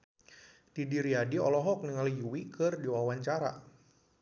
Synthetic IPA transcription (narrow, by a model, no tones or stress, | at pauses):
d̥idiɾiadiɔlɔɦɔk̚niŋalijuwikɨrdiwawaɲt͡ʃaɾa̰